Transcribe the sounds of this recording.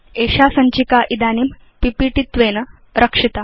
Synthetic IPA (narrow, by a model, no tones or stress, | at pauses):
eːɕasɐɲt͡ʃikaʔid̪aːnim | pipiʈit̪ʋeːnɐ | ɾɐkʂit̪a